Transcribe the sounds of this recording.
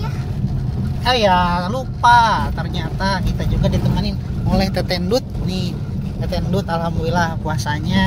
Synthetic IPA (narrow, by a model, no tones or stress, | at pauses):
ajalupat̪ərɲat̪akit̪ad͡ʒuɡadit̪əmanɪnmolɛht̪ət̪ɛndʊt̪̚ni | t̪ət̪ɛndʊt̪alhambulilahkuasaɲa